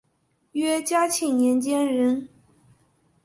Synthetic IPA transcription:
ɥɛ˥t͡ɕja˥t͡ɕʰi˨˩ŋnjɛ˧˥nt͡ɕjɛ˥nɻə˧˥n

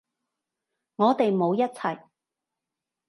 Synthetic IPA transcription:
ŋɔː˨˧t̪e˨jmo˨˧wjɐ˥t̚t͡sʰɐ˨˩j

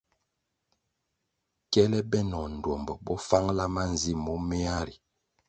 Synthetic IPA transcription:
kɛ˦lɛ˦bɛ˦nɔ˨n̩˨dwɔ˨mbɔ˨bɔ˦fa˦ŋla˦ma˦n˨zi˦mɔ˦mɛ˦a˦ɾi˨

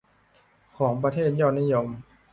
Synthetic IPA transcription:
kʰɔː˩˦ŋp̬ɾa˧t̪ʰeː˥˩t̪̚jɔː˧nːiː˦˥˨jo˧m

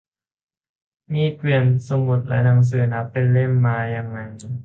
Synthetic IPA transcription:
miː˧˥˩k̪wi˨˩ənsu˧mu˨˦˩t̪̚lɛ̰˦˥naː˧˩ŋs̬ɯː˨˧˩na˦˥pːe˧nle˥˩mːaː˧jaː˧˩ŋːa˧j

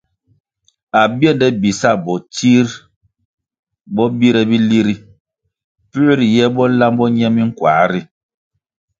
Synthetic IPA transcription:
a˨bjɛ˦˨ndɛ˦bi˨sa˦˨bɔ˨ti˦ɾ | bɔ˦bi˦ɾɛ˦bi˦li˦ɾi˦ | pʉ˦ʔɾi˨jɛ˦bɔ˦la˦mbɔ˦ɲɛ˦mi˦ŋ̩˦kwa̰ː˨˦ɾi˦

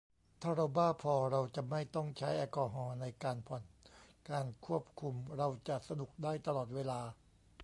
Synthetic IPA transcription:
t̪ʰaː˥˩ɾa˧wbaː˥˩pʰɔː˧ɾa˧wt͡ɕa˨˩ma˥˩jt̪ɔ˥˩ŋt͡ɕʰa˦˥jʔɛː˧kɔː˧ɦɔː˧na˧jkaː˧npʰɔ˨˩nkaː˧nkʰu˥˩əp̚kʰu˧mɾa˧wt͡ɕa˨˩ʔsa˧nu˨˩k̚daː˥˩jt̪a˧lɔː˨˩t̪̚weː˧laː˧

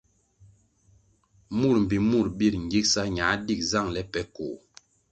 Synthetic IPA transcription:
mu˦˨ɾm̩˨bi˨mu˦˨ɾbi˦˨ɾŋ˨ɡi˦k̚sa˦ɲa˨˦di˦˨k̚za˦˨ŋlɛ˦pɛ˨˦ko˨

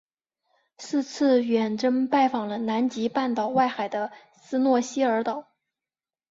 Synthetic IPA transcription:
sɹ̩˥˧t͡sʰɹ̩˥˩ɥɛ˨˩nʈ͡ʂɤ˥ŋpa˥˩ɪfɑ˨˩ŋlə˦na˧˥nt͡ɕi˧˥pa˥˩nt̪ɑ˨˩ʊwa˥˩ɪxa˨˩ɪd̪ə˦ | sɹ̩˥nwɔ˥˩ɕi˥ə˞˧˥t̪ɑ˨˩˦ʊ

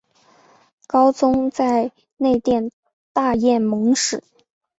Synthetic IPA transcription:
kɑ˥ʊt͡sʊ˥ŋt͡sa˥˧ɪ | ne˥˧ɪt̪jɛ˥˧n | t̪a˥˧jɛ˥˩nmɤ˧˥ŋʂɻ̩˨˩˦

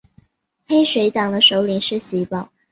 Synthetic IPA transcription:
he˥ɪʂwe˧˥ɪt̪ɑ˨˩ŋd̪ə˦ʂo˧˥ʊli˧˥ŋʂɻ̩˥˩ɕi˧˥pɑ˨˩˦ʊ

